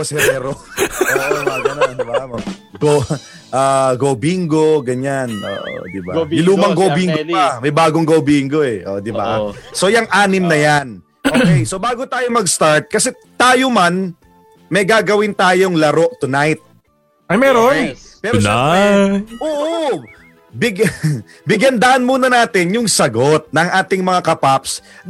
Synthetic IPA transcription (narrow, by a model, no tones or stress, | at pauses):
kɐsɛmɛɾooːʔmɐɡɐnɐnɪbamɐ | ɡo | ʔaːɡobiŋɡo̞ɡɐɲanʔo̰ːʔo̰d̪ɪbaɪluːmɐŋɡobiŋɡoamɐjbaːɡoŋɡobiːŋɡo̞ʔɛʔo̰d̪ɪbaso̞jɐŋʔaːnɪmnɐjan | ʔʔokɛjsobaːɡot̪aːjomɐɡst̪aɹt̪̚kɐsɛ | t̪aːjoman | mɐjɡaːɡɐwɪnt̪aːjoŋlɐɾo̞ʔ̚t̪ʊnajt̪̚ | ʔɐjmɛːɾopɛːɾo | ʔoːʔo | bɪɡ | bɪɡɐnd̪ɐʔɐnmuːnɐnaːt̪ɪnjʊŋsɐɡo̞t̪̚nɐŋʔaːt̪ɪŋmɐŋakɐpaps